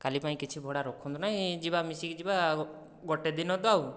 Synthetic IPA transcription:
kalipaĩkit͡ʃʰibʱɔɽaɾokʰunt̪unaɦĩd͡ʒibamisikd͡ʒiba | ɡɔʈed̪inɔd̪aw

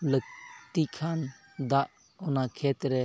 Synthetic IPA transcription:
lək̚t̪ikʰan | d̪aʔ | ɔnakʰɛt̪ɾɛ

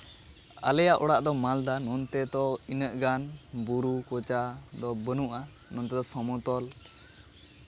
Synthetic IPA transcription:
a̰lɛjaʔɔɽaʔd̪ɔmald̪anɔnt̪ɛd̪ɔinəʔɡanbuɾukɔt͡ʃad̪ɔbənuʔa | nɔnt̪ɛd̪ɔsɔmɔt̪ɔl

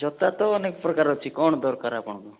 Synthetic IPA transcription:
d͡ʒɔt̪at̪ɔːnekɔpɾɔkaɾɔt͡ʃʰikɔɳ̃ɔd̪ɔɾkaɾapɔɳ̃kɔ

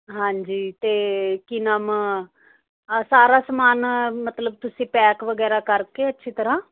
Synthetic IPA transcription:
ɦãːɲd͡ʒiːt̪eːkɪnam | saːɾaːsəmaːnmət̪ləb̚t̪ʊsĩːpɛːkʋəɡɛːɾaːkəɾkeːətːʃʰiːt̪əɾãː

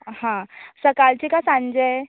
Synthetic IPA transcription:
hãsəkalt͡ɕikasãnd͡ʑe

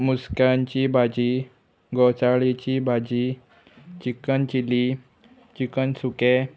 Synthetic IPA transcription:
muskjaɲt͡ɕiːbad͡ʑi | ɡɔt͡saɭit͡ɕiːbʱad͡ʑiː | t͡ɕikənt͡ɕili | t͡ɕikənsuke

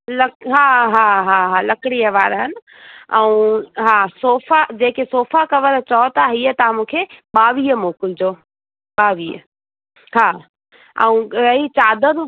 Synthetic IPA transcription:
lɐɦaːɦaːɦaɦalɐkɪɽiəʋaːɾɦənɪ̆ | ɛ̃ũɦaːsoːfad͡ʑeːkesoːfakɐʋəɾt͡ɕɔːt̪aɦiət̪ɐãmũːkʰeɓaːʋiːəmoːkʊld͡ʑoː | ɓaːʋiːə | haː | ɛ̰̃ũɾɐit͡ɕaːd̪əɾ

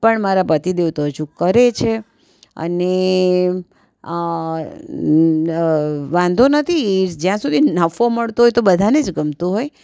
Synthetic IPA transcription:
pəɳmaɾapət̪id̪eʋt̪oɦt͡ʃʰũkəɾet͡ʃʰe | ə̰ne | ʋãnd̪ʱonət̪ʰid͡ʒjãsud̪ʱinəfoməɭt̪oɦojt̪obəd̪ʱaned͡ʒɡəmt̪uɦoj

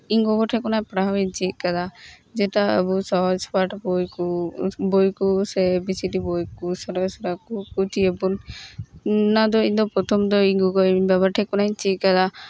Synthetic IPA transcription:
iŋɡɔɡɔʈʰɛkɔnapɽaɦbɛɲt͡ʃit̪̚ˀkad̪ad͡ʒɛtaə̰busɔɦɔd͡ʒpaʈbɔjkubɔjkusɛbisiʈibɔjkusɔɾɔsɔɾakukut̪iəbun | ad̪ɔind̪ɔpɾɔt̪ʰɔmd̪ɔiŋɡɔɡɔbabaʈʰɛkɔnajt͡ʃit̪̚kad̪a

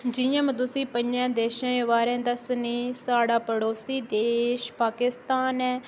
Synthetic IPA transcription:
d͡ʒɪjãːmə̃d̪ʊsiːpə̃ɲd͡ʒãːd̪eːʃãːʋaːɾẽːd̪aːsʊniːsaːɽaːpəɽoːsiːd̪eːʃpaːkɪst̪aːnɛː

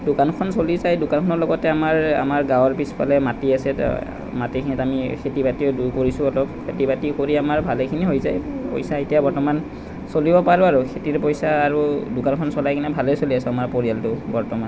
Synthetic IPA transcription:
dukankʰɔnsolizajdʊkankʰɔnɔɹlɔɡɔtɛamaɹa̰maɹɡãwɔɹpispʰa̰lɛmatiasɛ | matikʰinitamikʰetibatiɔduɹkoɹisʊ̃ɔtɔpkʰetibatikoɹiamaɹbʱalekʰiniɦojzajpo̰jsaetijabɔɹtɔman | solibɔpaɹuaɹukʰetiɹpojsaːɹudʊkankʰɔnsɔlajkʰinɛbʱalesoliasɛamaɹpoɹijaltʊbɔɹtɔman

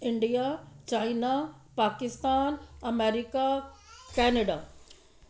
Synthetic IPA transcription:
ɪ̃ɳɖijat͡ɕaːina | paːkɪst̪aːnɐmeːɾɪkakɛːnəɖaː

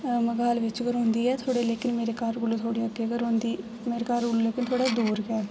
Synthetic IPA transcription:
məɡaːlʋɪt͡ʃɡəɾɦʊ̃ːnd̪iːɛːt̪ʰoːɽeːleːkɪnmeːɾeːkaɾɡʊluːt̪ʰoːɽeːəɡeːɡəɾɦõːnd̪iː | meːɾeːkaɾɡʊluleːkɪnt̪ʰoːɽaːd̪uːɾɡɛː

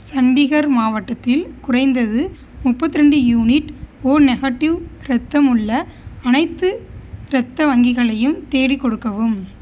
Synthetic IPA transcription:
sɐɳɖɪɣɐɾmaːʋɐʈːɐt̪ːɪlkʊrɐɪnd̪ɐðɯ | mʊpːɐt̪ːɪɾɛɳɖɯjuːnɪʈoːɾnɛɣɐʈːɪʋɾɛt̪ːɐmɯɭːɐɐnɐɪt̪ːɯɾɛt̪ːɐʋɐŋɡɪɣɐɭɐjɯmt̪eːɽɪkːɔɽɯkːɐʋɯm

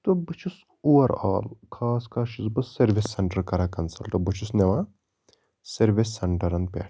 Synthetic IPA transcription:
t̪obɨt͡ʃʰus | uːʋɐɾa̰ːlkʰaːskaːʃisbɐsːɐɾʋisːɐɳʈɐɾkɐɾakɐnsɐlʈɐbɨt͡ʃʰusneʋa | sɐɾʋisːɐɳʈɐɾɐnpʲḛːʈ

